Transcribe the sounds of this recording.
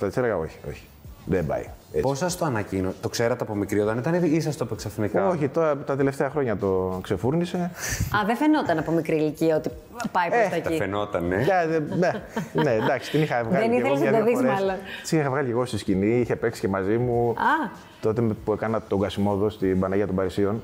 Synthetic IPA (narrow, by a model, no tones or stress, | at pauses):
t̪ɐkseeɣɐo̞̰çi̥o̞̰çi̥ | ðebɐ̰jeposɐst̪oɐnɐcinot̪o̞kseɾɐt̪eɐpomikɾiot̪ɐnit̪ɐniis̬ɐst̪opeksɐθnikɐoçit̪oɾɐt̪ɐt̪ele̞ft̪eɐxɾo̞ɲɐt̪o̞kse̞fuɾnise̞ɐðefenot̪ɐnɐpo̞mikɾiliciɐot̪i | pɐjpeɐɐifenot̪ɐneɐðeenend̪ɐksi̥t̪inixɐvɣɐðleinieɣoɐt̪oðikzmɐlo̥sinixɐvɣɐlice̞ɣost̪isciniiçe̞peksi̥ce̞mɐzimuɐ | t̪o̞t̪epuekɐnɐt̪o̞ɡɐsimo̞ðost̪ibɐnɐiɐt̪ombɐɾisio̞n